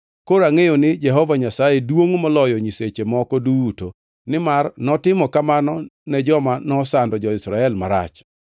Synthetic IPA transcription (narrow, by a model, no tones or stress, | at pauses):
koɾaŋejonɪd͡ʒɛɦɔvaɲasajedwoŋmɔlɔjɔɲiset͡ʃemɔkɔduto | nɪmarnɔtɪmɔkamanɔnɛd͡ʒɔmanɔsandɔd͡ʒɔɪsɾaɛlmaɾa̰t͡ʃ